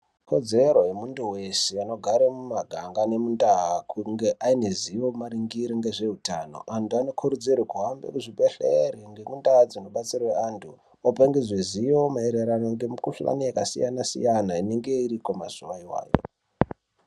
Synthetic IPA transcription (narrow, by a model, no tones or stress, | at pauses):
kʰo̞d͡ze̞ɾo̞jemunduwe̞seano̞ɡʱaɾemumaɡʱaŋɡane̞mundaɦakuŋɡeʔaineziʋomaɾiŋɡiɾiŋɡeʐe̞ɦutano̞̰ʔantʰuano̞kʰuɾud͡zirikuɦambḛkuʐibʱeɬḛɾiŋɡemundaɦad͡zino̞ɓat͡sirweantʰu | opaŋɡeʐiziwomaeɾeɾanoŋɡe̞mukuɬa̰naekasḭjanasḭjanaine̞ŋɡe̞iɾikomaz̥uwaiwa̰ːjo̰